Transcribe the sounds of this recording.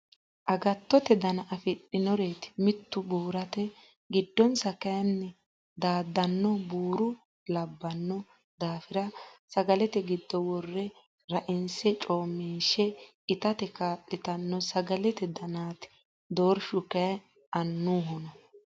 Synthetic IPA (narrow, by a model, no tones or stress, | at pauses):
ʔɐɡɐt̪ːɔt̪ɛd̪ɐnɐʔɐfɪɗɪnɔɾeːt̪ɪ̥mɪt̪ːʊbuːɾɐt̪ɛ | ɡɪd̪ːɔnsɐkɐjɐnːɛ | d̪aːd̪ːɐnːɔbuːɾʊ | lɐbːɐnːɔ | d̪aːfɪɾɐsɐɡɐlɛt̪ɛɡɪd̪ːɔwɔrːɛ | ɾɐʔɪnsɛt͡ʃʼoːmːiːʃɛ | ɪt̪ɐt̪ɛkaːtʼːɪt̪ɐnːɔsɐɡɐlɛt̪ɛd̪ɐnaːt̪ | d̪oːɾʃʊkɐ | ɐnːuːɦɔnɐ